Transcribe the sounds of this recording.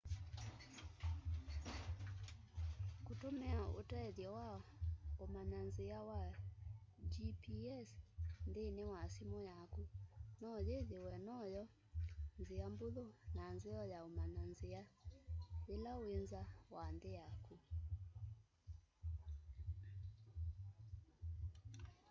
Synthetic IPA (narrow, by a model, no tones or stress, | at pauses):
kotomɛao̰tɛɛðjɔwaomananzeawa | d͡ʒipiɛsndenewasimɔjakunɔjeðewɛnɔjɔ | nzeamboðonanzeɔjaomananzea | elaoenzawandeaku